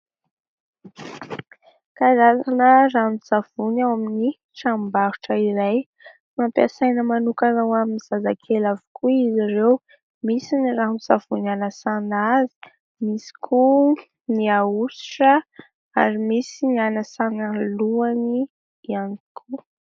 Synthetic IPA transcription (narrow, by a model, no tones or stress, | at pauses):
kaɾazanəramiz̥av̥unawamini | ʈ͡ʂambaɾuʈ͡ʂəiɾaj | mampa̰sajnəmanukanawaminiz̥azakʰelavu̥kʰuiziɾew | misiniraɦmizav̥unanəsanazi̥ | misi̥kʰu | niaui̥ʈ͡ʂə | a̰ɾimisinianəsanaluani | ianikʰu